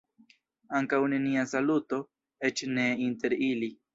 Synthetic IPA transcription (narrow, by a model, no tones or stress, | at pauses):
aŋkawne̞niasaluto̞ | et͡ʃne̞inte̞ɾili